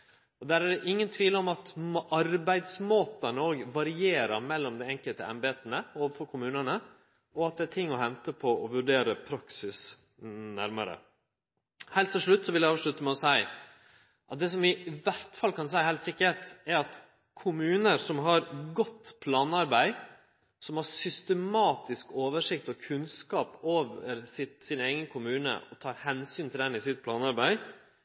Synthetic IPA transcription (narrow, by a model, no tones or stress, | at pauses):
ɔd̪æːɾæɖɛʔɪŋːənt̪ʰʋiːləɔmɑt̪ɑɾbæɪd̪smoːt̪ənəoːɡʋɑɾɪeːɾəɾmɛlːɔmd̪ɛɛŋkəlt̪ə̰ɛ̰mbeːt̪ənəoːʋəfɔɾkʰʊmʉːnəɳə | ɔɑt̪̚d̪ɛæt̪ʰɪŋːɔhɛnt̪əpʰɔʔɔʋʉɖeːɾəpʰɾɑksɪs | næɾməɾə̰ | hæɪlt̪ʰːɪlʂɭʉt̪ːsɔʋɪljæɑʋʂɭʉt̪ːəmɛɔsæɪ | ʔɑt̪̚d̪ɛːs̬ɔmɪʋæɾt̪fɑlːkʰɑns̬æɪhæɪlt̪sɪkːət̪æɾɑt̪ | kʰʊmʉːnəɾsɔmɦɑɾɡɔt̪ːpʰlɑːnɑɾbæɪ | sɔmhɑɾsʏst̪əmɑːt̪ɪskoːʋəʂɪk̚t̪ɔkʰʉnskɑːpoːʋə̰ɾsɪt̪sɪnæɪɡənkʰʊmʉːnə̰ɔt̪ʰɑːɾhɛnsyːnt̪ʰɪld̪ɛnɪsɪt̪̚pʰlɑːnɑɾbæɪ